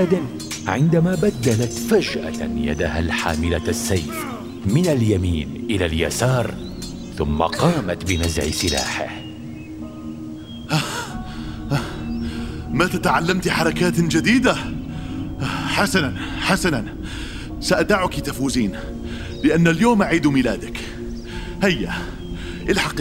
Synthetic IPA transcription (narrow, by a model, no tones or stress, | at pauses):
d̪ɪn | ʕɪnd̪amaːbad̪ːalat̪fad͡ʒʔa̰ja̰d̪ahalħa̰ːmɪlasːajf | mɪnaljamiːnʔɪlalja̰sɑːɾˤ | θʊmːa̰qɑːmat̪bɪnazʕɪ̰sɪla̰ːħɪ̰h | ʔa | mat̪at̪aʕalːamt̪ħɑɾˤɑkaːt̪d͡ʒad̪iːd̪a | ħasananħasanan | saʔad̪aʕʊkit̪afuːziːn | lɪʔanːaljoːmʔaʕiːd̪mɪːlaːd̪ak | hajːa | ʔɪlħɑq